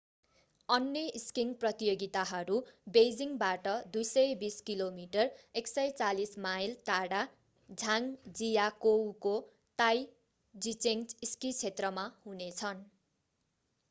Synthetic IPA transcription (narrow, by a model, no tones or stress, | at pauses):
ʌnːjʌiskiŋprʌt̪ijoɡit̪aɦʌɾubejd͡ziŋbaʈʌd̪ujsʌjbiskilomiʈʌreksʌjt͡salismajlt̪aɽa | d͡zʱaŋd͡zijakowko | t̪aj | d͡zit͡seŋiskit͡sʰet̪rʌmahunet͡sʰʌn